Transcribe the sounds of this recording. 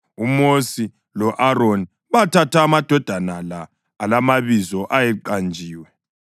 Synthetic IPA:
umosi | lɔʔaɾoni | βatʰatʰaːmad̥ʱɔd̥ʱanalaː | lamaβizɔʔajɛǃand͡ʒʱiːwɛ

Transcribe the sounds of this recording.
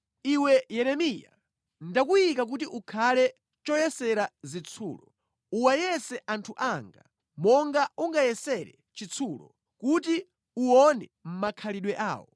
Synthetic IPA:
iwɛjɛɾɛmija̰ | ndakujikak̬ut̬iʔukʰalɛ | t͡ʃɔjɛsɛɾazit͡sʰṵːlɔ | uwajɛsɛʔantʰuʔaŋɡa | mɔŋɡauŋɡajɛsɛɾɛ̰ | t͡ʃit͡sʰulɔ̰ | kuti | uɔnɛm̩makʰaliɗwɛʔa̰ːwɔ

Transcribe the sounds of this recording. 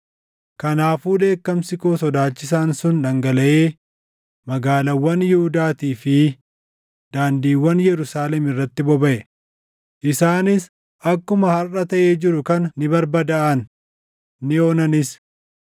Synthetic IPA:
kɐnaːfuːᶑ̪e̞ːkːɐmsɪkoːsɔd̪aːt͡ʃːɪs̬aːnsʊnᶑɐŋɡɐlɐʔeː | mɐɡaːlɐwːɐnjɪhʊd̪aːt̪iːfɪ | d̪̥aːnd̪iːwːɐnjɛɾʊsaːlɛmɪrːɐt̪ːɪbɔbɐʔɛ | ʔɪsaːnɪs | ʔɐkːʊmɐhɐrːɐt̪ɐʔeːd͡ʒɪɾʊkɐnːɪbɐɾbɐd̪ɐʔɐnː | ɪo̞ːnɐnɪs

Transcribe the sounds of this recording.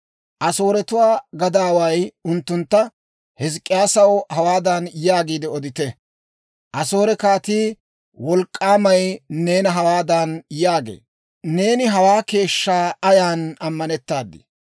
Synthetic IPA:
ʔɐso̞ːɾɛt̪ʊwaːɡɐd̪aːwɐjʊnt̪ːʊnt̪ːɐ | hɛskʼːɪjaːsɐwhɐwaːd̪ɐnjaːɡiːd̪ɪɔd̪ɪt̪ɛ | ʔɐso̞ːɾɛkaːt̪iː | wɔlkʼːaːmɐjne̞ːnɐɦɐwaːd̪ɐnjaːɡḛː | ne̞ːnɪɦɐwaːke̞ːʃːaːɐjaːnɐmːɐnɛt̪ːaːd̪ːɪ̰

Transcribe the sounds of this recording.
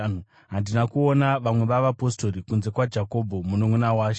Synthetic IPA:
ɦandinakuonaʋamwe̞ʋaʋapo̞sto̞ɾikunze̞kwad͡ʒako̞bʱomunomunawaːʃe

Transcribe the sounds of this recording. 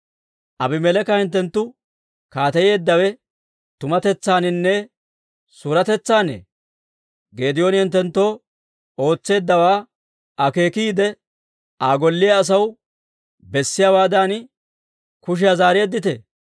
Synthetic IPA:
ʔɐbɪmɛlɛkɐhɪnt̪ːɛnt̪ːʊ | kaːt̪ɐje̞ːd̪ːɐwɛ | t̪ʊmɐt̪ɛt͡sːaːnɪnːɛ | suːɾɐt̪ɛt͡sːaːnḛː | ɡe̞ːd̪ɪjoːnhɪnt̪ːɛnt̪ːo̞ː | o̞ːt͡sːe̞ːd̪ːɐwaː | ʔɐke̞ːkiːd̪ɛ | ʔaːɡɔlːɪjɐːs̬ɐw | bɛsːɪjaːwaːd̪aːn | kʊʃ̬ɪjazaːɾe̞ːd̪ːɪt̪ɛ

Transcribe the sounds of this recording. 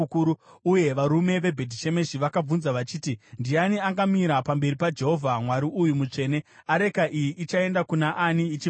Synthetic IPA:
kuɾuuje̞ʋaɾume̞ʋe̞bʱedʱit͡ʃe̞me̞ʃiʋakab͡vunzaʋat͡ʃiːtindianiaŋɡamiɾapambe̞ɾipad͡ʒe̞ɦo̞vʱamwaɾiʔujumut͡ʂe̞ːne̞aɾe̞kaʔijiʔːt͡ʃae̞ndakunaʔaniːt͡ʃi

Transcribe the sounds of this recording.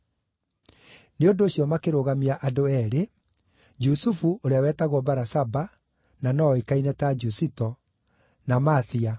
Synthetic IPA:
neondoːɕjɔmakeɾoɣamiaʔadoɛɾe | d͡ʒusufuʔoɾeawɛtaɣwɔbaɾasaba | nanɔekainɛtad͡ʒusitɔ | namaθia

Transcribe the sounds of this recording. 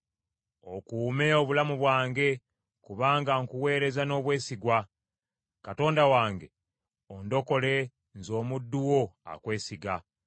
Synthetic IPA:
o̞kuːme̞o̞βulamuβwaːŋɡe̞ | kuβaːŋɡaŋkuwe̞ːɾe̞zano̞ːβwe̞ːsiɡwa | kato̞ːndawaːŋɡe̞ | ondo̞ko̞le̞ | nzo̞ːmudːuwo̞a̰kwe̞ːsiɡa

